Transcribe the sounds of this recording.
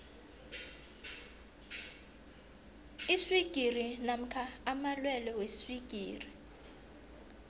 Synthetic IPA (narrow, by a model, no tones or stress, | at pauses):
iswiɡ̥ʱirinam̩kʰaːmalwɛlɛwesiswiɡ̥ʱiːri